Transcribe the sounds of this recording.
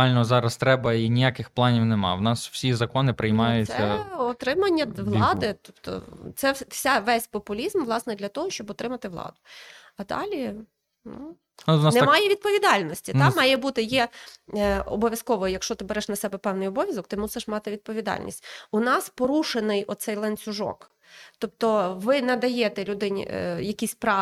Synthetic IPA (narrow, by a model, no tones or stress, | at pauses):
ɑlʲnɔzɑɾɐst̪ɾɛbɐinʲijakɪxplˠɑnʲiwnemɑ̰ʋnɑsw̥sʲizɐkɔnɪpɾɪjmɑjʊssʲɛɐɔt̪ɾɪmɐnʲːɐʋlˠɑd̪ɪt̪ɔpt̪ɔ̰t̪sɛsʲaʋɛsʲpɔpʊlʲizmʋlˠɑsnɛd̪lʲɐt̪ɔɦɔʃt͡ʃɔbɔt̪ɾɪmɐt̪ɪʋlˠɑ̰d̪ʊ | ɐd̪ɑ̰lʲi | nṵ | nɑnɛmɑjɛʋʲid̪̚pɔʋʲid̪ɑlʲnɔsʲtʲit̪ɑmɑjɛbut̪ɪjɛ | ɔ̰bɔʋʲjɐskɔʋɔjɐkʃt͡ʃɔt̪ɪbɛɾɛʃnɐsɛbɛpɛwnɪjɔbɔʋʲjɐzɔkt̪ɪmusɪʃmɑt̪ɪʋʲid̪̚pɔʋʲid̪ɑ̰lʲnʲḭsʲtʲʊnɑspɔɾuʃenɪjɔt̪sɛjlˠenʲt͡sʲʊʒɔ̰k | t̪ɔp̚t̪ɔʋɪnɛd̪ɐjɛt̪ɛlʲud̪ɪn̰ʲjɐkʲisʲpɾɑ